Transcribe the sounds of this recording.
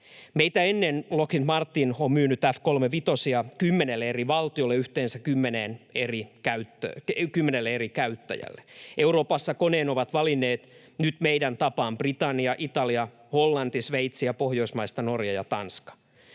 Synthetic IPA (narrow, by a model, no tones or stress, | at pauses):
meit̪æenːenlokint̪mɑrt̪ːinommyːnyt̪æfkolmeʋit̪osiɑkymːenelːeeriʋɑlt̪io̞lːeyht̪eːnsækkymːeneːnerikæyt̪ːø̰kymːenelːeerikæyt̪ːæ̰jæ̰lːeʔewɾoːpɑsːɑkoneːnoʋɑt̪ʋɑlinːˑeːt̪ | nyt̪meidænt̪ɑpɑːmbrit̪ɑnːiɑʔit̪ɑliɑ | holːɑnt̪isʋeit̪siɑpohjo̞ismɑist̪ɑno̞rjɑjɑt̪ɑnskɑ̥